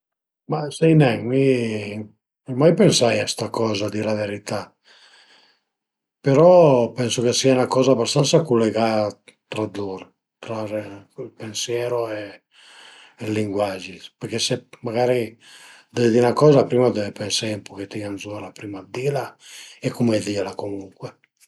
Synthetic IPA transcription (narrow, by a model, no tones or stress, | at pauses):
masɛjnɛŋmi | majpensajast̪akɔːzad̪ilaveɾit̪a | peɾɔpɛnsokesianakɔːzabast̪ansakulːeɡat̪ɾad̪oɾ | t̪ɾareilpensjɛːɾoe | lːiŋɡwad͡ʒipeɾkesemaɣaːɾi | d̪ɛd̪inakɔːzapɾiːmad̪ɛpensajɛmpoket̪ːianzɔɾapɾiːmad̪ilaekːumɛd̪ilakomuŋkwɛ